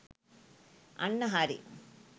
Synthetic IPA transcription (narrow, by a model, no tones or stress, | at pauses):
ɐ̰ɳːɐɦaːɾḭ